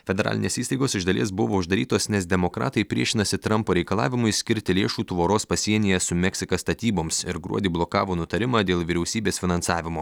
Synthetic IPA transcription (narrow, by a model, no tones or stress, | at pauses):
fʲɛd̪ʲɛɾɑ̰lʲɪnʲeːsiːst̪ɐɪɡoːsɪʒd̪ɐlʲḭɛs̬bʊʋoːʊʒd̪ɐɾʲiːt̪oːsnʲɛsd̪ʲɛmokɾɑ̰ːt̪ɐɪpʲɾʲiɛʃʲɪnɐsʲɪt̪ɾɐmpoːɾʲɛɪkɐlˠɑːʋʲɪmʊɪsʲkʲɪɾʲt̪ʲɪlʲeːʃuːt̪ʋoːɾoːspɐsʲiɛnʲɪjɛsʊmʲɛksʲɪkɐst̪ɐt̪ʲiːboːmʲsɪɾɡɾṵɔd̪ʲiːblˠoːkɑːʋoːnʊt̪ɐɾʲɪmɑːd̪ʲeːlˠʋʲiːɾʲɛʊsʲiːbʲeːsfʲɪnɐnsɑːʋʲɪmoː